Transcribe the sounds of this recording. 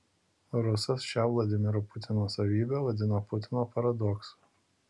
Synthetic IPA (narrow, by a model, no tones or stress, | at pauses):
ɾʊsɐsʃʲɛʊlˠɐd̪ʲɪmʲɪɾʊpʊt̪ʲɪnoːsɐʋʲiːbʲeʋɐd̪ʲɪnopʊt̪ʲɪnoːpɐɾɐd̪ɔksʊ̥